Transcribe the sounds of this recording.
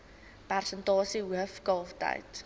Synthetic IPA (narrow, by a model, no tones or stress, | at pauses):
pærsəntɔːsiwəfkɔlfta̰jt